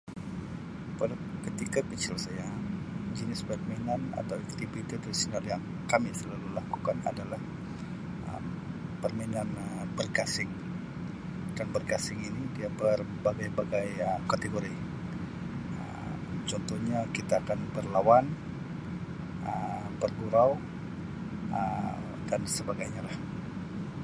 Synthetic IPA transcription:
pal | kət̪ikakət͡ʃɪlsaja | d͡ʒənɪsbak̚mainana̰t̪awɛkt̪ifit̪it̪ɾisonaljaŋ | kamisəlalulakukana̰dalah | ʔə̰m | pərmainanəbərkasɪŋ | d̥anbərɡasɪŋinidiabər | baɡajbaɡajəkat̪eɡoɾi | ə̰ | mt͡ʃɔnt̪ɔhɲakit̪aːkanbərlawan | ə | bərɡuɾaw | ə | d̥ansəbaɡajɲalah

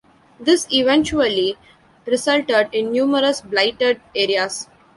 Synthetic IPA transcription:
d̪ɪsɪʋɛ̃nt͡ʃuəli | ɾɪsʌlʈəɖɪ̃nːjũːməɾəsblaɪʈəɖeːɾias

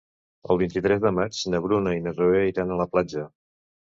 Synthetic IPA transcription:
ə̰lˠβint̪it̪ɾɛzðəmat͡ʃnəβ̞ɾunəinərueiɾanələplad͡ʒə

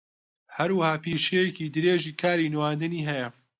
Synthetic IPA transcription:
hɐɾwəhaːpiːʃejekiːd̪ɨɾeːʒiːkʰaːɾiːnwaːnd̪ɨniːɦɛjɐ

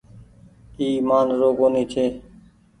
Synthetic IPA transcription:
iːmaːnɾoːkoːniːt͡ʃ̪ʰeː

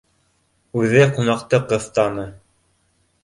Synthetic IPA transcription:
ʉðɘqunɑqt̪ɤqɤ̆θt̪ɑnɤ

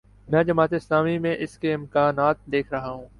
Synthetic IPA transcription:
mɛ̃ːd͡ʒɐmaːt̪ɪslaːmimẽʔɪskeɪmkaːnaːt̪̚d̪eːkʰɾɐɦaɦũː

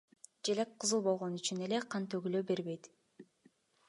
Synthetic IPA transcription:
d͡ʒelek̚qʰɯzɯlˠbo̞lˠʁo̞nyt͡ʃyne̞le̞qʰɑnt̪øɡyløbe̞ɾβe̞jt̪

